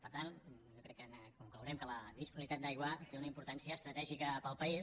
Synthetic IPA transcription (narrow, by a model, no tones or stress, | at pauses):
pəɾt̪an | ʒɔkɾɛkːənkuŋkləwɾɛmkələðispuɾɾit̪at̪̚d̪ajɣwət̪eunəimpuɾt̪ansiəːst̪ɾət̪ɛʒikəpəlˠpəis